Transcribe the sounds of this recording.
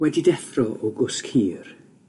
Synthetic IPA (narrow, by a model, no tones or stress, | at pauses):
wɛdidɛθrɔʔɔɡʊskʰhiːr